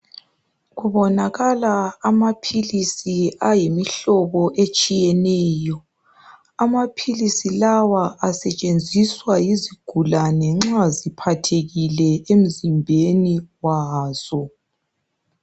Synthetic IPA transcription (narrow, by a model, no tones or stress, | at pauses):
ɣuβɔnaɣalaːmapʰilisiajimiɬɔβɔʔet͡ʃʼijɛnɛːjɔ | amapʰilisilawaʔasɛt͡ʃʼend͡zʱiswajiziɡ̥ʱulanɛŋ͡ǁazipʰatʰeɣilɛʔem̩zimbʱeniwaːz̥ɔ